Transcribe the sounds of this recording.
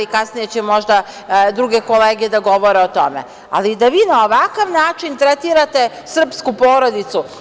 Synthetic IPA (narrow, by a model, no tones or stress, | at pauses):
ikasnijet͡ɕemo̞ʒd̪a | d̪ɾuɡe̞ko̞leːɡed̪aɡo̞ʋo̞ɾeot̪o̞mḛ | a̰lid̪aʋiːnao̞ʋakaʋnaːt͡ʃint̪ɾet̪iɾat̪e̞ | sr̩pskupo̞ːɾod̪it̪su